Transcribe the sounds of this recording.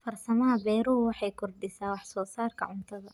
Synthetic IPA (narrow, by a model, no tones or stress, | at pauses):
fɐrsɐmɐɦɐbɛːɾuwɑħɑjkʰʊrd̪ɪsaːwɑħsɔːsaːrkʰɐ̰ʕʊnt̪ʰɐðɐ